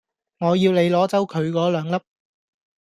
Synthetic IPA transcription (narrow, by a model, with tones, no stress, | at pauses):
ŋɔː˨˧jiː˧wle˨˧jlɔː˨˥t͡sɐ˨˥wkʰɵ˨˧ɥkɔː˨˥lœː˨˧ŋlɐ˥p̚